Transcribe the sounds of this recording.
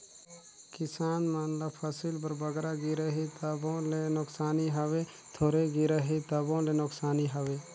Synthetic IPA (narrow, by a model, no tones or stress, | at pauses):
kɪsaːnmanləpʰəsilbəɾbɐɡɾaɡiɾəɦit̪əbõlenʊksaːniɦɐʋe | t̪ʰoːɾeɡɪɾəɦit̪ɐbõlenʊksaːniɦɐʋeː